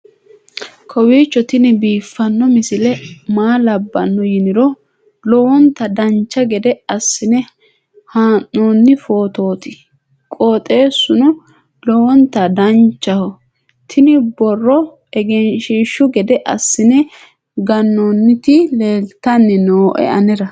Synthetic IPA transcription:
kʰɔwiːt͡ʃːɔt̪ɪnɪbiːfːɐnːɔmɪsɪlɛmaːlɐbːɐ̰nːɔjɪnɪɾɔ | lɔwɔnt̪ɐd̪ɐnt͡ʃːɐɡɛd̪ɛɐsːɪnɛ | haːnːoːnːɪfo̞ːt̪o̞ːt̪ɪ̥ | kʼoːt̪ʼe̞ːsːʊnɔ | lɔwɔnt̪ɐd̪ɐnt͡ʃːɐhɔ | t̪ʰɪnɪbɔrːɔ | ɛɡɛnʃiːʃːʊɡɛd̪ɛʔɐsːɪnɛ | ɡɐnːonːɪt̪ɪle̞ːlt̪ːɐnːɛnoːʔɛ̰ɐnɛɾɐ

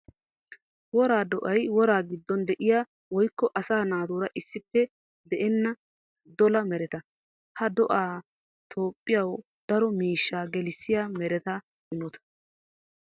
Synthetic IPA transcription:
wɔɾaːd̪ɔʔɐjwɔɾaːɡɪd̪ːɔnd̪ɛʔɪjaː | wɔjkːɔʔɐsaːnaːt̪uːɾɐʔɪsːɪpːɛ | d̪ɛʔɛnːɐ | d̪ɔlɐmɛɾɛt̪ɐ | hɐd̪ɔʔaː | t̪ʰo̞ːpʼːɪjɐw | d̪̥ɐɾɔmiːʃːaːɡɛlɪsːɪjaːmɛɾɛt̪ɐ | ɪnɔt̪ɐ̥

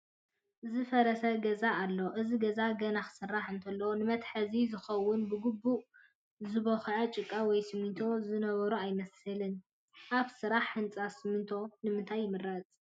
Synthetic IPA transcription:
ʔɨzɨfɐɾɐsɐɡɐzaːlːo̞ʔɨziɡɐzaɡɐnaxɨ̥sɨrːaħɨnt̪ʰɐlːɐwonɨmɐt̪ħɐzizɨxɐwːʊnbɨɡubːuʔ | zɨβɐxʕɐt͡ʃʼɨkʼːawɔjsɨmit̪ʰo̞zɨnɐβɐɾuajmɐsɨlɨn | ʔaβsɨɾaħːɨnt͡sʼasɨmɨnt̪ʰo̞nɨmɨnt̪ʰajːɪmɨrːazʼ

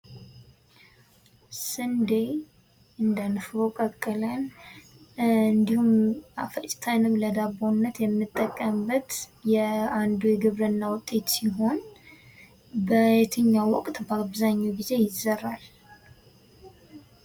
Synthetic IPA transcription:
sɨnd̪e | ɨnd̪anfɔkʼəkʼːɨlən | ɨnd̪ihumafət͡ʃʼt̪ʰanɨmləd̪aβonːət̪jɛmːɨt̪ʼːəkʼːəmbət̪jɛand̪ojɡɨβɾɨnːawʊt̪ʼːe̞t̪siɦo̞n | bəjɛt̪ʰɨɲːawɔkʼt̪baβzaɲːoɡize̞jɪzərːal

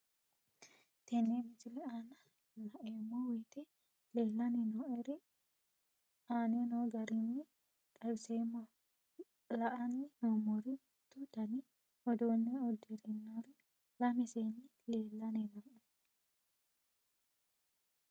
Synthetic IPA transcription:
t̪ɛnːemɪt͡ʃɪlɛanɐ | lɐʔemɔwijt̪ɛ | le̞ːlːɐnɛnoːʔɛɾɛ | aːnenoːɡɐɾɪnːɛ | kʼɐjseːmɐ | lɐʔɐnːɪnoːmɔɾɪ | t̪ːʊd̪ɐni | ɔd̪oːnːɛɔd̪ɛɾɛnːoːɾɪ | lɐmɛseːnːɪ | leːlːɐnɛnoːʔɛ

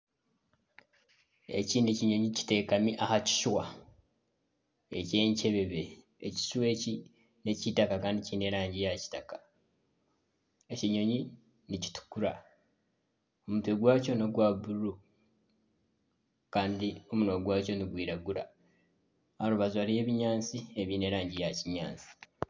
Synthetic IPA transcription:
ḛciːneciɲo̞ɲici̥te̞ːkamiʔahaci̥ʃwa | ece̞ːɲce̞βe̞βeː | ci̥ʃwe̞ːci | ne̞citakakaːndiciːne̞ːɾaːɲɟijaci̥takḁ | eciɲo̞ɲi | nici̥tu̥kuɾa | o̞mutueɡwaːco̞no̞ɡwabuɾu | kaːndio̞munoːɡwaːco̞niɡwiːɾaɡuɾa̰ | aɾuβazaɾije̞ːβiɲaːnt͡sie̞βiːne̞ːɾaːɲɟijaciɲa̰ːnt͡si̥

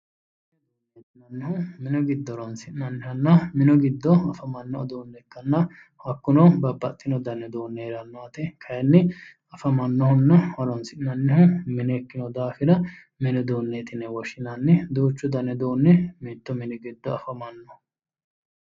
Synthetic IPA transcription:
nɛt̪ːɪnɐnːɪɦʊmɪnɔɡɪd̪ːɔɾɔnsɪʔnɐnːɪhɐnːɐmɪnɔɡɪd̪ːɔɐfɐmɐnːɔɔd̪oːnːɛkːɐnːɐ | hɐkːʊnɔbɐbːɐt̪ʼːɪnɔd̪ɐnːɛd̪oːnːɛɛɾɐnːɔɐt̪ɪkʰɐjɛnːɪ | ɐfɐmɐnːɔhʊnːɐɔɾɔnsɪʔnnɐnːɪhʊmɪnekːɪnɔd̪aːfɪɾɐ | mɪnɛd̪oːnːet̪ɪnɛwɔʃɪnɐnːɪd̪oːt͡ʃːʊd̪ɐnɛd̪oːnːɛmɪt̪ːɔmɪnɛɡɪd̪ːɔɐfɐmɐnːɔ

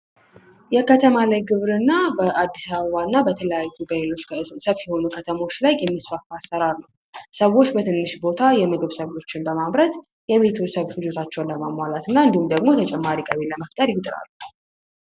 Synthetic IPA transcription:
jɛkʰət̪ʰəmalajɡɨβɾɨnːabəʔad̪ːisaβəβanːabət̪ʰələjajːubəlo̞t͡ʃːsəβjɛho̞nukʰət̪ʰəmo̞t͡ʃːlajːɛmːisfəfasəɾalːuw | səwːo̞t͡ʃːbət̪ʰɨnːɨʃbo̞t̪ʰajɛmɨɡɨβsəβo̞t͡ʃːɪnbəmaβɾət̪ | jɛβe̞t̪ʰsəβfɨd͡ʒo̞t̪ʰat͡ʃːɛwnləməmwalat̪ɨnːaɨnd̪ihumd̪əɡmo̞t̪ʰət͡ʃʼɛmːaɾikʼəβeləməft̪ʼəɾjɪt̪ʼɨɾa̰lːu

